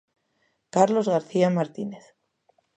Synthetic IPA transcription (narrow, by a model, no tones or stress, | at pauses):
kaɾlo̞zɣaɾθiamaɾt̪ine̞θ